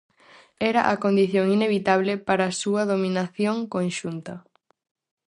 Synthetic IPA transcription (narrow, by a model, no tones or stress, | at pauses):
ɛɾɐʔakond̪iθjoŋineβ̞it̪aβlɪpaɾaːsuɐðominaθjoŋkonʃunt̪ɐ